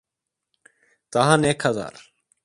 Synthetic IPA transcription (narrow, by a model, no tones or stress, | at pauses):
t̪əɦãːneːkʰhəza̰ːɾ